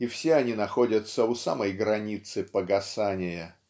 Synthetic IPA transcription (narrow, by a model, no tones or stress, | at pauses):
ɪfsʲeɐnʲinɐxo̞dʲət̪səʊsa̰məjɡɾɐnʲit̪sɨpəɡɐsanʲɪjə